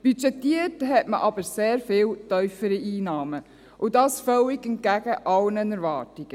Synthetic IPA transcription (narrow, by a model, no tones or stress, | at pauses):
b̥yt͡ʃɛtːiəthɛtmə̰ʔɑb̥əɾseːɾfɪːwtœʏfəɾiiːnɑːmə | ʔʊdɑːsfœwiɡɛn̚ɡ̥æɡ̥əʔɑlnənəɾvɑːtiɡ̥ə